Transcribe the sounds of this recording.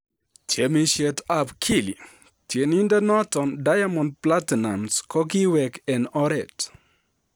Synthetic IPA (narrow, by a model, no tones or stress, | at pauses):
tʰjemiʃetapkʰilḭ | tʰjenindɛnɔtɔndajamɔnd̚platinamskɔkiwɛkɛnɔɾɛt